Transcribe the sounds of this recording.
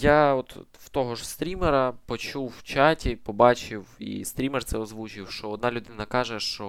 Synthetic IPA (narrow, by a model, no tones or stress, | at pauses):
jaɔt̪ | wt̪ɔɦɔʒst̪ɾʲimeɾɐpɔt͡ʃuwːt͡ʃɑtʲipɔbɑt͡ʃɪwḭst̪ɾʲimɛrt̪sɛɔzʋut͡ʃɪwʃt͡ʃɔːd̪nɑlʲʊd̪ɪnɐkɑʒɛʃt͡ʃɔ